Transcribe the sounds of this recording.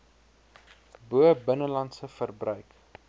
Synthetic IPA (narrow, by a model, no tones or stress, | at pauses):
buəbənəlɐntsəfərbrœɥk